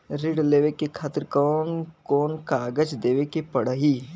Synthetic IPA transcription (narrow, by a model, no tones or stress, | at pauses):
ɾɪɽleːʋekekʰaːt̪əɾkɔːnkɔːnkaːɡəd͡ʒd̪eːʋekepɐɽəɦiː